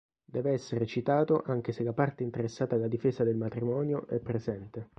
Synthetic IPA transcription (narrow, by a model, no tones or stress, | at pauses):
d̪ɛːveɛsːeɾet͡ʃit̪aːt̪oʔaŋk̟eselːapart̪eint̪eɾesːaːt̪alːad̪ifeːzad̪elmat̪ɾimɔːnjoʔɛpːɾezɛnt̪e